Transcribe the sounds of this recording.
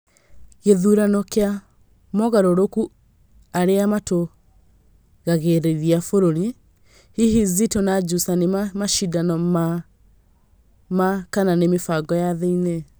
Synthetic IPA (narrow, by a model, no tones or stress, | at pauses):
ɣeðuɾanɔkea | mɔɣaɾoɾoku | aɾeamato | ɣaɣeɾeɾiafoɾoɾi | hihizitonad͡ʒusaneamaʃidanɔma | makananemefaɡɔjaðeine